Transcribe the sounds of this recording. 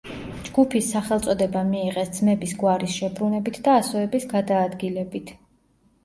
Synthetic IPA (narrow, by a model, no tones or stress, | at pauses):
d͡ʒɡupʰisːaχɛlˠt̪sʼɔd̪ɛbamiːʁɛsd̪zmɛbisɡwaɾisʃɛbɾunɛbit̪ʰd̪aːsɔɛbisɡad̪aːd̪ɡilɛbit̪ʰ